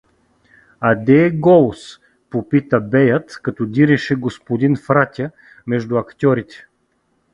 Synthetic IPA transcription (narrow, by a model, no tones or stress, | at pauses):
ad̪ɛɡɔlˠs | popit̪əbɛjət̪kɐt̪ɔd̪iɾɛʃɛɡospod̪infɾat̪ʲə | mɛʒd̪ʊɐkt̪ʲɔɾit̪ɛ̥